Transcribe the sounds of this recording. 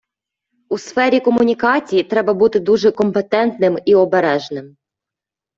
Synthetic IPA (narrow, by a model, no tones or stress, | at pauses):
usfɛɾʲikɔmʊnʲikɑt͡sʲijit̪ɾɛbɐbut̪ɪd̪uʒɛkɔmpet̪ɛnt̪nɪmiɔbeɾɛʒnɪm